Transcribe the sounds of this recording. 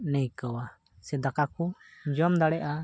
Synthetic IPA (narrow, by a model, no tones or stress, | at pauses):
nɛjkəwa | sɛd̪akakud͡ʒɔmd̪aɽɛʔa